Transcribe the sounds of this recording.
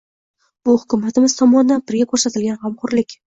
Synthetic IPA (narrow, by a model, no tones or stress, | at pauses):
b̥ʊhʊkʰʲʊmat̪ʰɪmɪzt̪ʰɒmɒnɪd̪anbɪɾɡʲakʰɵɾsat̪ɪlɡʲanhamqʊɾlɪkʲ